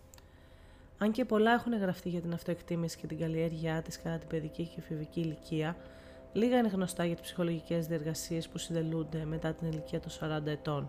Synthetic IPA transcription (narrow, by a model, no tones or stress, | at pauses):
ɐɲce̞po̞lɐe̞xune̞ɣɾɐft̪iʝɐt̪inɐft̪o̞e̞kt̪imisi̥ce̞t̪iɡɐlie̞ɾʝiɐt̪iskɐt̪ɐt̪ibe̞ðicicefiviciːliciɐ | liɣɐine̞ɣno̞st̪ɐʝɐt̪ispsi̥xo̞lo̞ʝice̞zðie̞ɾɣɐsie̞spusind̪e̞lund̪e̞me̞t̪ɐt̪iniliciɐt̪o̞nsɐɾɐnd̪ɐe̞t̪o̞n